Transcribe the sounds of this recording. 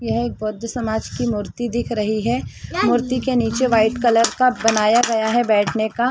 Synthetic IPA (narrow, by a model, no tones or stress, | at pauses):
jɛɦeːk̚bʊd̪ʱːsɐmaːd͡ʒkimʊɾt̪id̪ɪkʰɾɐɦiɦɛmʊɾt̪ikeniːt͡ʃeʋaːɪʈkɐləɾkabɐnaːjaɡɐjaɦɛbɛːʈʰneka